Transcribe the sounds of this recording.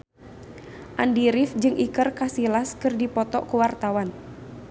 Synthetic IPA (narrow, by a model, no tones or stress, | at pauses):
ʔandiɾɪfd͡ʒɨŋʔikɨrkasilaskɨrdipɔt̪ɔʔkuwart̪awan